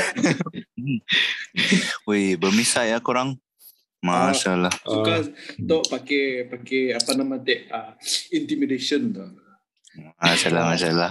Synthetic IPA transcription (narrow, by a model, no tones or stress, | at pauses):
ojbəmisajakuɾaŋ | maʃalahsukat̪oʔpakepakeapanamãt̪ɛʔaint̪imideʃənt̪o | asalamaʃalah